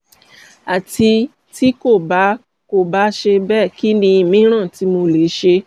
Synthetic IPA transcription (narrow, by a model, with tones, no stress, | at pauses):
a˨ti˧ | ti˦ko˦˨ba˨˦ | ko˦˨ba˨˦ʃe˧bɛ˦˨ki˦nĩ˧˨mĩ˨˦ɾ̃ã˦˨ti˨˦mo˧le˨˦ʃe˧